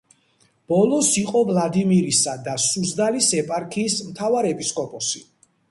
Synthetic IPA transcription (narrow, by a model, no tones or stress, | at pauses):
b̥ɔlˠɔsiqʼɔvlˠad̪imiɾisad̪asuzd̪alisɛpʼaɾkʰiːsmt̪ʰavaɾɛpʼiskʼɔpʼɔsi